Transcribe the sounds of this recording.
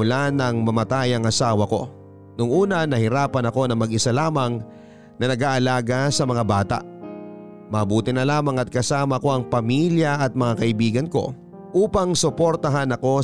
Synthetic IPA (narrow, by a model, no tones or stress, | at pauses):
ʊlanɐŋmɐmɐt̪ajɐŋʔɐsaːwɐko̞̰ | nʊŋʔuːnɐnɐhɪɾaːpɐnɐko̞nɐŋmɐɡʔɪsalaːmɐŋ | nɐnɐɡaːʔɐlaːɡɐsɐmɐŋabaːt̪ɐ̰ʔ | mɐːbuːt̪ɪnɐlaːmɐŋɐt̪̚kɐsaːmɐko̞ʔɐŋpɐmiljɐʔɐt̪̚mɐŋakɐʔɪbiːɡɐnko̞̰ | ʔuːpɐŋsʊpoɾt̪ɐɦanɐko̞